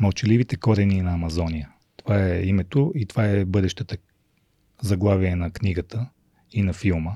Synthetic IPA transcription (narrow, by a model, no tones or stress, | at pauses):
mɐlˠt͡ʃɛlivit̪ɛkɔɾɛninɐɐmɐzɔnijə | t̪ovaɛimɛt̪oit̪ovaɛbɤd̪ɛʃt̪ət̪ə | zɐɡlˠaviɛnɐkniɡət̪ə | inɐfilˠmə